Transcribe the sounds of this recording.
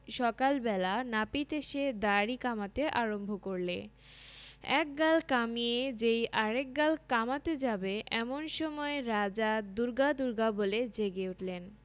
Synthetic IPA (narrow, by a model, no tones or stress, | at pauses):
ʃɔkalbɛlanapit̪eʃed̪aɾikamat̪eʔaɾombʱokoɾle | ɛ̰k̚ɡalkamied͡ʑejʔaɾek̚ɡalkamat̪ed͡ʑabeʔɛmonʃɔmɔeɾad͡ʑad̪uɾɡad̪uɾɡaboled͡ʑeɡeuʈlen